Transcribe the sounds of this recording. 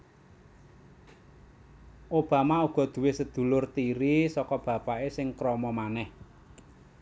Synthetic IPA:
ʔob̥a̤mauɡ̥ɔ̤d̪̥ṳwesəd̪̥ṳlʊrt̪iɾisɔkɔb̥ä̤paesɪŋkɾɔmɔmanɛh

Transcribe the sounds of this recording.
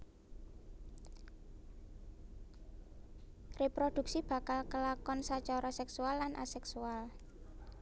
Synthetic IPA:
repɾod̪̥ṳk̚sib̥ä̤kalkəlakɔnsat͡ʃɔɾɔsɛksualːanʔa̰sɛksual

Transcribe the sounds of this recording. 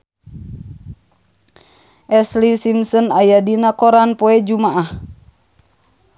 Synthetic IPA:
ʔɛslisimsɔnajadinakɔɾanpɔɛd͡ʒumaʔah

